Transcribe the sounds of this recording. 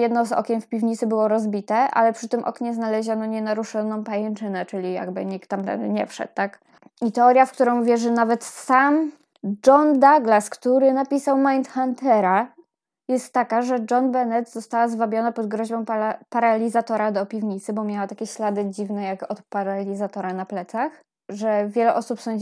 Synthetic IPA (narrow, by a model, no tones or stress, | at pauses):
jɛd̪nɔzɔ̰kʲɛnfpʲivɲit̪sɘbɘwɔɾɔzbʲit̪ɛʔa̰lɛpʂɘt̪ɘmʔɔ̰kɲɛznalɛʑanɔɲɛnaɾuʂɛnɔ̃w̃pajɛnt͡ʂɘnɛt͡ʂɘlʲija̰ɡbɘ̰ɲik̚t̪ːamt̪ɛ̰ɲɛ̰fʂɛ̰t̪ːak | it̪ɛɔɾʲjafkt̪uɾɔ̃w̃vʲjɛʐɛnavɛt̪sam | d͡ʐɔnd̪aɡlaskt̪uɾɘnapʲisawmajnt̪xant̪ɛɾa | jɛst̪ːakaʐɛd͡ʐɔnbɛnɛt̪zɔst̪awazvabʲjɔnapɔd̪ɡɾɔʑbɔ̃w̃papaɾalʲizat̪ɔɾad̪ɔpʲivɲit̪sɘbɔmʲjawat̪akʲɛɕlad̪ɘd͡ʑivnɛjakɔt̪paɾalʲizat̪ɔɾanaplɛt̪sax | ʐɛvʲjɛlɛʔɔsupsɔɲ